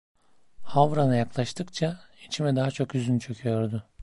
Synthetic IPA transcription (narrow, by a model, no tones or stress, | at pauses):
havɾanɯjaklˠaʃt̪ʰɯkt͡ʃʰait͡ʃʰimɛd̪aɦat͡ʃʰo̞kyzynt͡ʃʰø̞cʲʰyjo̞ɾd̪ʊ